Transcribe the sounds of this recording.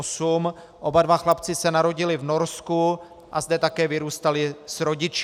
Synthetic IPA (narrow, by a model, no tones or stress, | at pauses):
sum | ʔo̞badvaxlapt͡sɪsɛnaɾo̞ɟɪlɪvno̞ɾsku | ʔazdɛt̪akɛːvɪɾuːst̪alɪsɾo̞ɟɪt͡ʃ